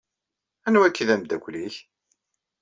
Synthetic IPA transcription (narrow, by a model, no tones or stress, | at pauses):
ænwækːiðæmd̪ækʷːliç